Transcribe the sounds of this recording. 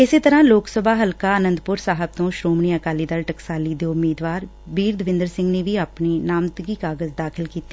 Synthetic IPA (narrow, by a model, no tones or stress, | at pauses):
ɪseːt̪əɾãːloːksəbʱaːɦəlkaːənə̃nd̪pʊɾsaːɦəb̚t̪õːʃɾoːmniːəkaːliːd̪əlʈəksaːlid̪eːʊmːiːd̪ʋaːɾ | biːɾd̪əʋɪ̃nd̪əɾsɪ̃ŋɡneːʋiapniːnaːmt̪ɡiːkaːɡəzd̪aːkʰɪlkiːt̪e